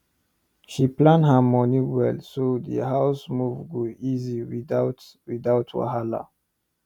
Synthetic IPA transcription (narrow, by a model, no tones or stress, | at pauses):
ʃiplãndɦamɔniwɛlsodə̰ɦaʊsmuvɡoʔiziwiat | widaʊtʰwa̰ɦala̰